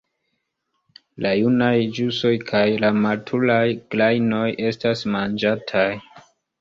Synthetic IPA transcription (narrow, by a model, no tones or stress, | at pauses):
lajunajd͡ʒuso̞jkʰajlamatʰulajɡ̥lajno̞je̞stasmand͡ʒatʰaj